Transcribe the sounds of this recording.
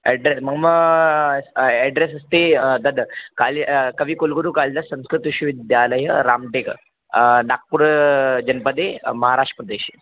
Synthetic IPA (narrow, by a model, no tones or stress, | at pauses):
ɛɖɾesməɡməɡ | ɛɖɾesɐst̪ed̪əd̪kalikəʋiːkolɡoɾuːkald̪asə̃w̃skɾut̪ʋiɕuʋid̪jaləjəɾamʈek | nak̚puɾd͡ʑɐnpəd̪emɐɦaɾaʂʈə̥pɾɐd̪eɕiː